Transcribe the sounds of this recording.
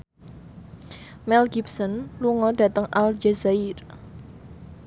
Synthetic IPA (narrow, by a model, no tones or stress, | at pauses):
mɛlɡip̚sɔnluŋɔd̥ä̤t̪əŋʔald͡ʒazaiɾ